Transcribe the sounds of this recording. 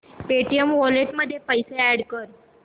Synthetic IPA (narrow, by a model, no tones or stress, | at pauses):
peʈijəmʋɔleʈməd̪ʱːjepəjseæɽkəɾ